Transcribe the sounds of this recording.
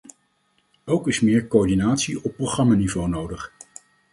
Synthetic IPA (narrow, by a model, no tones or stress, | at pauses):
owkɪsmɪːɹkoɔɹdinaːtsiɔpːrowχrɑmaːnivownowdəχ